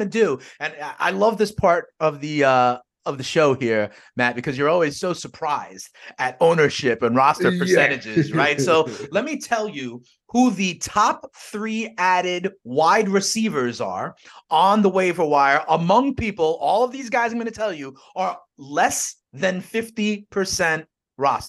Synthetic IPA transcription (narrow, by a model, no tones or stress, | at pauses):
nɨdʉɨ̃nʔa̰ɪlʌvðɪspʰɑɹɾʌvðiʌ | ʌvðɨʃoʊhiɹ | mæt̚b̥ɨkʰʌzjə˞ɔlˠwiz̥soʊsə˞pʰɹ̥aɪzdɨɾõʊ̃nə˞ʃɪpə̃nɹɑstə˞pʰə˞sɛ̃ɾ̃ɨd͡ʒɪzɹaɪtsoʊlɛt̚mitʰɛlˠjɨ | huðɨtʰɑp̚θɹiæɾɪdwaɪd̚ɹɨsivə˞zə̰˞ə̃nðəweɪvə˞waɪə˞ʔəmʌ̃ŋpʰipl̩ˠɔlˠʌvðizɡaɪzãɪ̃mɡʌ̃nɨtʰɛlˠjɨ | ə˞ | lɛs | ðɨ̃nfɪftipʰə˞sɛ̃nt | ɹɑstə